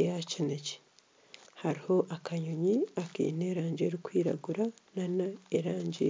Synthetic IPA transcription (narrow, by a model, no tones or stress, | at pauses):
jacineci̥ | haɾiho̞ʔakaɲoɲiakḭːneːɾaːɲɟeɾikwiːɾa̰ɡuɾananaeɾaːɲɟḭ